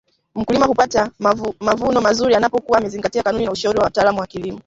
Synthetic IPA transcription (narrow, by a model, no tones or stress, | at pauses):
m̩kulimahupatamavunɔmazuɾianapɔkuwamɛziŋɡatiakanuninauʃauɾiwawataːlamuwakilimɔ